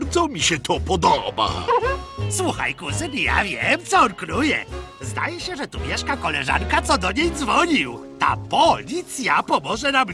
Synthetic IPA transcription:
ɾd̪zɔmʲiɕɛt̪ʰɔpɔd̪ɔba̰ | swuxa̰jkusɘmʲija̰vʲjɛmt̪sɔɾkɾujɛ̰ | zd̪a̰jɛɕɛʐɛt̪umʲjɛʂkakɔlɛʐa̰nkat̪sɔd̪ɔɲejd̪zvɔɲiwt̪a̰pɔlʲit̪sʲjapɔmɔʐɛnam

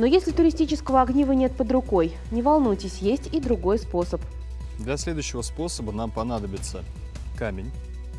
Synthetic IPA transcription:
nojesʲlʲɪt̪ʊɾʲɪsʲtʲit͡ɕɪskəvəɐɡnʲivənʲe̞t̪̚pəd̪ɾʊko̞j | nʲɪvalˠnujtʲɪsʲjesʲtʲid̪ɾʊɡo̞jspo̞səp | d̪lʲɐslʲe̞d̪ʊjɕːɪvəspo̞səbənampɐnad̪əbʲɪt̪sə | kamʲɪnʲ

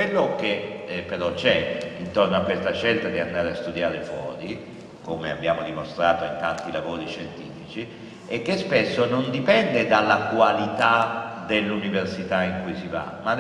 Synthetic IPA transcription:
elːok̟epːeɾɔt͡ʃɛint̪ornoakːwest̪aʃːelt̪ad̪iand̪aːɾeast̪ud̪jaːɾefwɔ̰ːɾi | komea̰bːjaːmod̪imost̪ɾaːt̪oint̪ant̪ilavoːɾiʃent̪iːfit͡ʃi | ɛkːespesːonond̪ipɛnd̪ed̪alːakwalit̪ad̪elːuniversit̪aiŋkujsiva̰ma

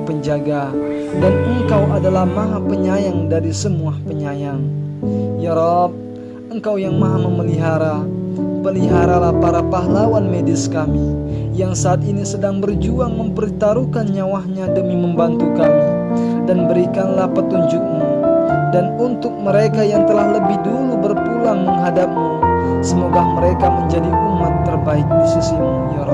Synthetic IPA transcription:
pəɲd͡ʒaɡa | danəŋkawʔadalahmaɦapəɲajaŋdaɾisəmuahpəɲajaŋ | jaɾɔp̚ | əŋkawjaŋmaɦahməməliɦaɾapəliɦaɾalahpaɾapaɦlawanmedɪskamijaŋsaːt̪inisədaŋbərd͡ʒuaŋməmpəɾit̪aɾukanɲawahɲadəmiməmbant̪ukami | danbəɾikanlahpət̪uɲd͡ʒʊk̚mudanunt̪ʊk̚məɾekajaŋt̪əlahləbɪhdulubərpulaŋməŋɦadap̚mu | səmoɡahməɾekaməɲd͡ʒadiʔumat̪ːərbaɪk̚disisim | jo

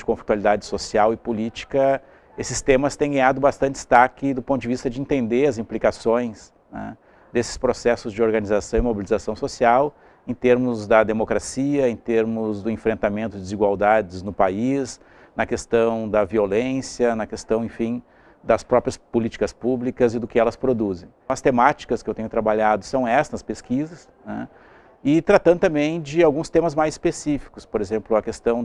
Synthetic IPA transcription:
d͡ʒɪkõfli̥t̪walid̪ad͡ʒɪsosiawɪpʊlit͡ʃi̥kɐ | esɪst̪ẽmɐst̪ẽj̃ɡɐ̃j̃ad̪ʊbast̪ɐ̃nt͡ʃɪst̪akɪd̪ʊpõnt̪ʊd͡ʒɪvist̪ɐd͡ʒɪĩt̪ẽnd̪eɐzĩplikasõj̃s | nɛ̰ | d̪esɪ̥spɾosɛsʊzd͡ʒɪoɾɡɐnizasɐ̃w̃ɪmobilizasɐ̃w̃sosiaw | ẽt̪eɾmʊzd̪ɐd̪emokɾasiɐẽt̪eɾmʊzd̪ʊẽfɾẽnt̪amẽnt̪ʊd͡ʒɪd̪ɪziɡwawd̪ad͡ʒɪznʊpais | nɐkest̪ɐ̃w̃d̪ɐviolẽsjɐnɐkest̪ɐ̃w̃ẽfĩj̃ | d̪ɐspɾɔpɾjɐspolit͡ʃi̥kɐspublikɐzɪd̪ʊkɪɛlɐspɾod̪uzẽj̃ɐst̪emat͡ʃi̥kɐskɪewt̪ẽɲʊt̪ɾabaʎad̪ʊsɐ̃w̃ɛsɐnɐspeskizɐs | nɛ̰̃ | ɪt̪ɾat̪ɐ̃d̪ʊt̪ɐ̃mbẽj̃d͡ʒɪawɡũst̪ẽmɐzmajzi̥spesifi̥kʊspoɾezẽmplʊɐkest̪ɐ̃w̃

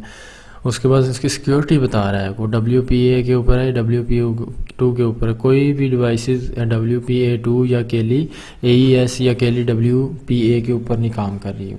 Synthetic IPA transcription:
ʊskebaːd̪ɪskisɪ̥kjoːɾɪʈibɐt̪aːɾaːɦɛkoɖɐbljupiːek̬euːpəɾɦɛɛɖɐbljupiʈuːk̬euːpəɾɦɛkoːibʱiɖɪʋaːɪsɪzɛɖɐbljupiːeːʈuːjakeːli | eːiɛːsjakeːliɖɐbljupiːekeuːpəɾnĩkaːmkɐɾːḭ

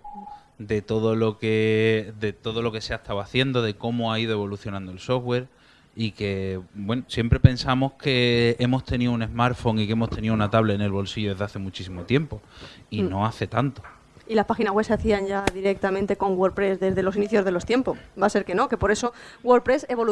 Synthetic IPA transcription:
d̪e̞t̪o̞ðolo̞ked̪e̞t̪o̞ðo̞lo̞ke̞seat̪aβwaθje̞nd̪o̞ðe̞ko̞moaiðoe̞βo̞luθjonãnd̪o̞e̞lso̞ɦɣwe̞ɾ | ike̞bwe̞nosje̞mpɾe̞pe̞nsamo̞hke̞e̞mo̞ht̪e̞nioune̞zmaɾfo̞ŋikemo̞ht̪ʰe̞niounat̪aβlene̞lβo̞lsiʝoe̞zðaθe̞mut͡ʃisimo̞t̪je̞mpo̞innõ̞aθe̞t̪ant̪o̥ | ilaspaxinazweseaθiaɲɟ͡ʝaðiɾek̚t̪amẽnt̪e̞ko̞ŋɡwoɾpɾe̞zðe̞zðe̞lo̞siniθjo̞zðelo̞st̪je̞mpo̞sbase̞ɾke̞no̞ke̞po̞ɾe̞so̞ | ɡwo̞ɾpɾe̞seβo̞

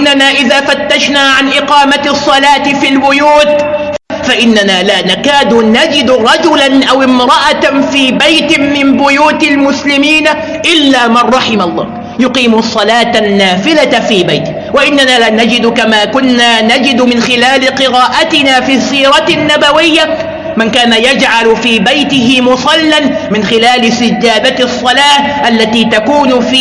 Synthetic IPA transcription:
ɪnːanaːʔɪðaːfat̪ːaʃnaːʕanʔɪqɑːmaɑsˤːɑlaːt̪ɪfilbʊjuːt̪ | faʔɪnːanaːlaːnakaːd̪ʊnad͡ʒɪd̪ɾˤɑd͡ʒʊlanʔawʔɪmɾɑʔafiːbajt̪ɪmɪmbʊjuːt̪almʊslɪmiːna | ʔɪlːaːmarˤːɑħɪmalˤːɑ̰ː | jʊqiːmsˤːɑlaːt̪nːaːfɪlafiːbajt̪ɪ | waʔɪnːanaːlaːnad͡ʒɪd̪kamaːkʊnːaːnad͡ʒɪd̪mɪnxɪlaːlɪqɨɾaːʔat̪ɪnaːfiːsiːɾˤɑnːabawɪjːa | mɪnkaːnajad͡ʒʕalfiːbajt̪ɪɦɪmʊsˤɑlːan | mɪnxɪlaːlɪsɪd͡ʒːaːd̪asˤːɑlaːhʔalːat̪iːt̪akuːnf

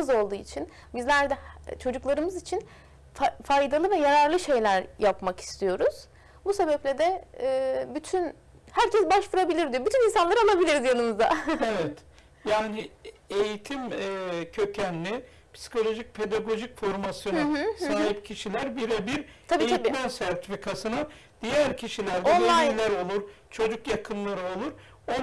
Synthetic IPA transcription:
ɯzo̞lˠd̪uːit͡ʃʰin | bizlʲæɾd̪ɛt͡ʃʰo̞d͡ʒuklˠaɾɯmɯzit͡ʃʰin | fajd̪alˠɯvɛjaɾaɾlˠɯʃe̞jlʲæɾjapmaki̥st̪ʰijo̞ɾuz̥ | buse̞bɛplʲɛd̪ɛ | byt̪ʰyn | hæɾcɛsbaʃvuɾabilʲiɾd̪ijo̞byt̪ʰyninsanlˠaɾɯalˠabilʲiɾizjanˠɯmɯzd̪a̰evɛt̪ | jaːnie̞jit̪ʰimːcʰø̞cʰænːʲi | pʰsi̥kʰo̞lʲo̞ʒic̚pʰe̞d̪aɡo̞ʒicfo̞ɾmasjo̞nasaːɦip̚cʰiʃilʲæɾbiɾɛbiɾt̪ʰabiejiaimænsæɾt̪ʰifikʰasɯna | d̪̥ijæɾcʰiʃilʲæɾdoɛnlˠajilʲæɾo̞lˠuɾ | t͡ʃʰo̞d͡ʒukjakʰɯnlˠaɾɯo̞lˠuɾ | o

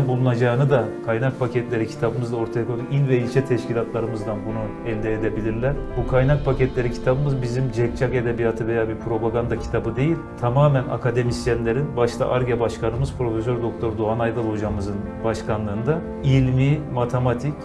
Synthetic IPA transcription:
nbulˠunad͡ʒaːɯnɯd̪akʰajnak̚pʰacʰɛt̪lʲe̞ɾicʰi̥t̪ʰabɯmɯzd̪ˠao̞ɾt̪ʰajakʰod̪uilʲvɛilʲt͡ʃʰɛt̪ʰɛʃcilʲat̪lˠaɾɯmɯzd̪anbunu | ɛlʲd̪ɛːd̪ebilʲiɾlʲæɾ̥bukʰajnak̚pʰacɛt̪lʲe̞ɾicʰi̥t̪ʰabɯmɯzbizimd͡ʒɛc̚t͡ʃʰake̞d̪ebijat̪ʰɯve̞jaːbiɾpʰɾo̞baɡand̪acʰi̥t̪ʰabɯd̪e̞jilʲt̪ʰamaːmæna̰kʰad̪e̞misjɛnlʲe̞ɾinbaʃlˠa̰ʔaɾɡabaʃkanɯmɯzpʰɾo̞fes̬øɾd̪o̞k̚t̪ʰo̞ɾd̪uɦanajd̪alˠod͡ʒamɯzɯnbaʃkanlˠɯːnd̪a | ilʲmimat̪ʰemat̪ʰic

